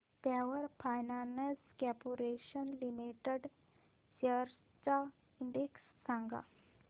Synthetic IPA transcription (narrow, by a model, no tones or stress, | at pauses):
t̪aʋəɾfajnaneskɛpuɾeɕənlimiʈəɖ | ɕəɾ | t͡sa | iɳɖeksːãŋɡa̰